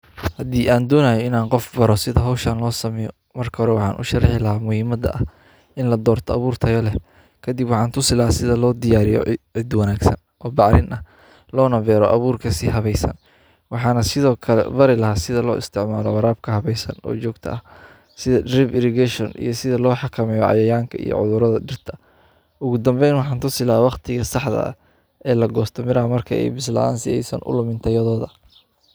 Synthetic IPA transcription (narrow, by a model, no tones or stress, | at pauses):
hɐd̪iːʔaːnd̪ɔːnaːjɔɪnaːnqɔfbɐɾɔsɪðɐɦɔwʃɐːnlɔːsɐmɛjɔ̰ | mɐrkʰɐhɔɾɛwɑħɑ̰ːnʔʊ̰ʃɐrɑħɪlɐɦaːmʊhiːmɐd̪ɐ̰ʔɐ | ʔɪnlɐd̪ɔːrt̪ʰɔɐβuːrt̪ʰɐjɐlɛh | kʰɐd̪ɪbwɑħɑːnt̪ʰʊsɪlɐɦhaːsɪðɐlɔːd̪ɪjaːɾɪjɔ̰ʕɪd̪wɐnaːɡsɐ̰nʔɔːbɑʕɾɪnʔɐ | lɔːnɐbɛːɾɔʔɐβuːrkʰɐsɪɦɐβɛjsɐ̰n | wɑħɑːnɐsɪðɔːkʰɐlɛ̰bɐɾɪlɐɦaːsɪðɐlɔ̰ːɪst̪ʰɪʕmaːlɔwɑɾaːb̚kʰɐɦɐβɛjsɐ̰nɔ̰ːt͡ʃɔːɡt̪ʰɐ̰ʔɐh | sɪðɐdrɪbɪɾɪɡɛʃɔnʔḭjɞsɪðɐlɔːħɑkʰɐmɛjɔʕɑ̰jɐjaːŋkʰɐḭjɔ̰ʕʊðʊɾɐðɐɖɪrt̪ʰɐ | ʔʊɣʊd̪ɐmbɛjnwɑħɑːnt̪ʰʊsɪlɐwɑqt̪ʰɪɣɐsɑħd̪ɐ̰ɐ̰ | ɛːlɐɡɔːst̪ʰɔmɪɾɐɦɐmɐrkʰɐɛ̰jbɪslɐ̰a̰ːnsɪ̰jɛ̰jsɐ̰ːnʔʊ̰lʊmɪnt̪ʰɐjɐðɔːðɐ̰